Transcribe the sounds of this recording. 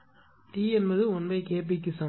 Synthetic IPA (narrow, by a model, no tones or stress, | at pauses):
ʈiːɛnbɐðɯɔnbɐɪkeːp̬ːik̬ːɯsɐ